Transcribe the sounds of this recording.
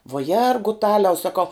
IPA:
ʋuɔ ˈjɛrɡʊtɐlʲɛʊ sɐˈkɐʊ

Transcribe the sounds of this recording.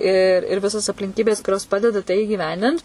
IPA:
ɪ ɪr ˈʋʲɪsoːs ɐpʲlʲɪŋʲˈkʲiːbʲeːs kʊˈrʲoːs ˈpɑːdʲɛdɐ tɐɪ iːɡʲɪˈʋʲɛnʲdʲɪnt

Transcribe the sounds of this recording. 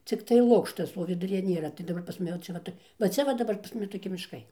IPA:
t͡sʲɪkˈtɐɪ ˈlˠʊkʃtɐs oː ʋʲɪdʊˈrʲiːjɛ ˈnʲeːrɐ tɐɪ dɐˈbɐr pɐs mɐˈnʲɛ ˈt͡ʃʲɛ ˈʋɐ tɐɪ ʋɐ ˈt͡sʲɛ ʋɐ dɐˈbɐr pɐs ˈmʊmʲɪ toːˈkʲɪ mʲɪʃˈkɐɪ

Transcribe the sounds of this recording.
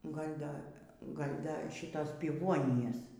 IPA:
ɡɐlʲ ˈdɐ ˈɡɐlʲ ˈdɐ ˈʃʲɪtoːs pʲɪˈʋuɔnʲɪjoːs

